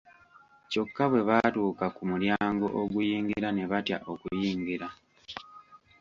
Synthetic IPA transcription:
co̞kːaβwe̞βatuːkakumuljaːŋɡo̞ʔoɡujiːŋɡiɾane̞βatja̰ʔokujiːŋɡiɾa

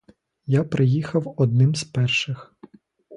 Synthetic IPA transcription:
japɾʔɪjixɐwɔd̪̚nɪmzʲpɛrʃɪx

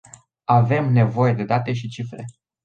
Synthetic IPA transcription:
ave̞mne̞vo̞je̞d̪e̞d̪at̪e̞ʃ̬it͡ʃifɾe̞̰

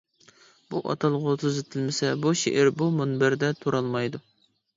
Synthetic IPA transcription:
b̥uʔɑ̰t̪ʰɑlˠʁʊt̪ʰyzɪt̪ʰɪlmɪsɛbuʃḛʔɪɾbumonbæɾd̪ɛt̪ʰoɾɑlˠmɑjd̪u

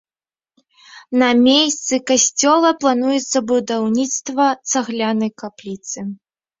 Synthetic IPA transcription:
nɐmʲejsʲt̪sɨkasʲt͡sʲɔlˠɐplˠanujɛt̪sːɐbud̪awnʲit̪st̪vɐt̪saɣlʲanɐjkaplʲit̪sɨ

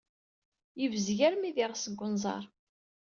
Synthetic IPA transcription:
jəvəzʝæɾmiðɪʁsəɡʷːʊnzˤɑ̰ɾˤ

